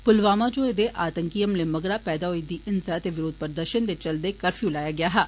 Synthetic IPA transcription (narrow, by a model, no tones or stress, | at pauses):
pʊlʋaːmaːd͡ʒoːed̪eːʔaːt̪əŋkijəmleːməɡɾaːpɛːd̪aːɦoiːd̪iːʔɪnsaːət̪eːʋɪɾoːd̪̚pəɾd̪əɾʃənd̪eːt͡ʃəld̪eːkəɾfʰjũlaːjaːɡɪaːɦɛː